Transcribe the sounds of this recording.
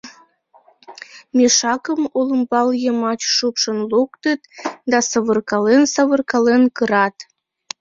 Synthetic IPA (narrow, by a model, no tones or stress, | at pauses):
mʲeʃɑkəmoləmbɑljəmɑt͡ɕʃupʃənlukt̪ət̪d̪ɑsəβərkɑlensɑβərkɑlenkəɾɑt̪